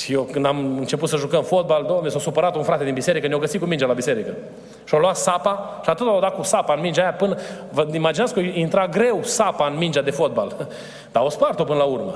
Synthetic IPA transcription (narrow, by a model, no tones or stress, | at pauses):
jekɨnd̪amɨnt͡ʃe̞put̪səʒukəmfo̞t̪̚bald̪omnesasupəɾat̪unfɾat̪e̞d̪inbise̞ɾikənjawɡəsit̪kumind͡ʒalabise̞ɾikə | ʃioluat̪sapaʃiat̪ɨt̪awd̪at̪̚kusapaɨnmind͡ʒaːjapɨnə | vəimad͡ʒinatskəoint̪ɾaɡɾe̞wsapaɨnmind͡ʒad̪e̞fo̞t̪̚bal | d̪̥ao̞spart̪o̞pɨnəlaurmə